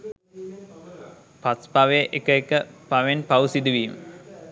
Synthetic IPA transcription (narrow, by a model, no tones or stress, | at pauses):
paspaʋeʔekəekəpaʋenpausid̪uʋiːmə̰